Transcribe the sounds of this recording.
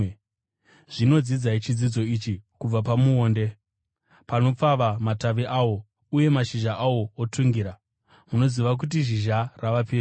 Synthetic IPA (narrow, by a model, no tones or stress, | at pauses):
ʐ̥ino̞d͡zid͡zait͡ʃid͡zid͡zo̞it͡ʃikub͡vap̬amuoːnde̞ | pano̞p͡faʋamataʋiʔawo̞ | uje̞maʃiʒaʔawo̞otʰuŋɡiɾa | muno̞ziʋak̬ut̬iʒiʒaraʋapeː